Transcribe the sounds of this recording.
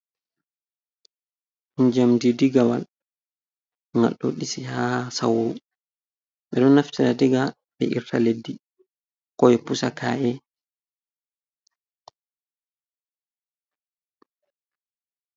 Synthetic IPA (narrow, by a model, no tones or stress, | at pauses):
ɲd͡ʒamdidiɡawa̰l | ŋa̰ɗːɔ̰ɗisihahsa̰wu | ɓɛɗɔnːaftiɾadiɡa | ɓɛ̰ʔḭɾtʰaledːi | kɔjɛpusakʰa̰ʔɛ